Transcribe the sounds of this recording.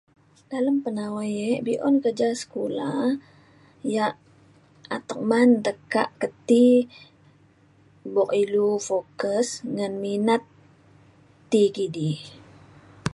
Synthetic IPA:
d̥aləmpənawajɛʔbiʔɔ̰nkərd͡ʒasə̥kula | jaʔ | at̪ək̚mant̪əka̰ʔkət̪i | bɔkilufokəsŋanminat̪ | ikidi

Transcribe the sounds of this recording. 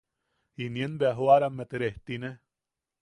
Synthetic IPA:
injenbeaɦoaɾamːet̪eɾeht̪ine

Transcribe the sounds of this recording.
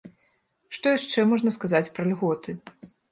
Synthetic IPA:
ʂt̪ɔjaʂt͡ʂɛmɔʐnɐskazat͡sʲpɾɐlʲɣɔt̪ɨ

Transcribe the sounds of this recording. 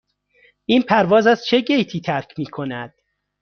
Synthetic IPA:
ʔiːnpʰæɾvɒːzæst͡ʃʰe̞ɟejt̪ʰiːt̪ʰæɾcʰmiːkʰo̞næd̪̥

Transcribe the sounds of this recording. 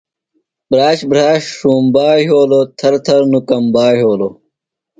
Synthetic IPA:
bɾaːɕbɾaːɕʂuːmbaːɦoːlot̪ʰɐɾt̪ʰɐɾnukɐmbaːɦoːlo

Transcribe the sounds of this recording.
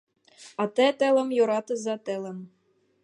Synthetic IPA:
ɑt̪ĕt̪ɘ̆lɘ̆mjoɾɑt̪ɤ̆zɑt̪ɘ̆lɘ̆m

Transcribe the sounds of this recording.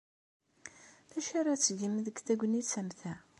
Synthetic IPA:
θæʃaɾˤat͡sːɡimðəɡθæɡʷənit͡sːæmθæ

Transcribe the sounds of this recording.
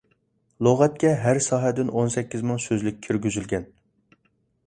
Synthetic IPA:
lˠoʁɛt̪̚kʲɛɦæɾsɑːɦɛd̪ɪnonsɛkʲːizmɨŋsøzlyk̚ʲʰːyɾɡʲyzylɡʲɛn

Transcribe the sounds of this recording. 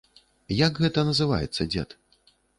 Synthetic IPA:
jɐkɣɛt̪ɐnɐzɨva̰jɛ̰t̪sːɐd͡zʲɛ̰t̪

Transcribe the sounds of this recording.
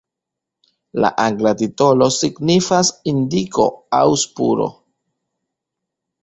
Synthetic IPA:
la̰ʔaŋɡlatito̞lo̞siɡnifasindiko̞̰a̰wspṵɾo̞̰

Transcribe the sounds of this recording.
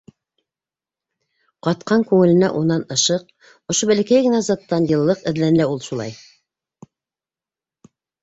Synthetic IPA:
qɑt̪̚qɑŋkʉŋɘ̆lɘ̆næʔunːɑnɤ̆ʃɤq̚ | ŏʃobælækæjɡɘ̆næzɑt̪ːɑnjɤ̆lˠːɤqɘ̆ðlænɘlæulˠʃulˠɑ̰j

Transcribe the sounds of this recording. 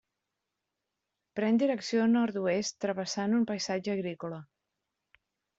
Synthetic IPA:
pɾɛnd̪iɾəksionɔɾt̪uest̪ːɾəβəsanumpəjsad͡ʒəːɣɾikolə

